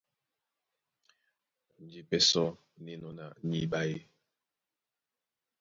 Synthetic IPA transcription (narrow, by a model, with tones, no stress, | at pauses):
n̩˨d͡ʒi˦pɛ˦sɔ˦ | ni˦nɔ˦na˨ɲi˦ba˦je˦